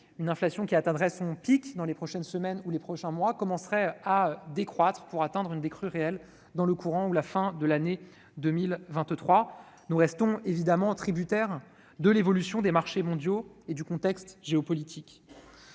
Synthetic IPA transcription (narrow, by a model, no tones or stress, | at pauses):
ynɛ̃flasjɔ̃kʲiat̪ɛ̃d̪ʁɛsɔ̃pikd̪ɑ̃lepχɔʃɛnsəmɛnulepχɔʃɛ̃mwakɔmɑ̃sʁɛad̪ekχwat̪χpuʁat̪ɛ̃d̪ʁynd̪ekχyʁeɛl | d̪ɑ̃ləkuʁɑ̃ulafɛ̃d̪əlane | d̪əmilvɛ̃t̪t̪χwa | nuʁɛst̪ɔ̃evid̪amɑ̃t̪χibyt̪ɛʁ | d̪əlevɔlysjɔ̃d̪emaʁʃemɔ̃d̪joed̪ykɔ̃t̪ɛkst̪ʒeɔpɔlit̪ʰik